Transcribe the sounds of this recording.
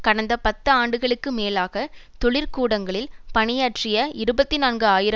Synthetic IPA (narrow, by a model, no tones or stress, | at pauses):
kɐɽɐnd̪ɐpɐt̪ːɯaːɳɖɯɣɐɭɯkːɯmeːlaːɣɐt̪ɔɭɪɾkuːɽɐŋɡɐɭɪlpɐnɪjaːʈrɪjɐɪɾɯbɐt̪ːinaːnɡɯaːjɪɾɐ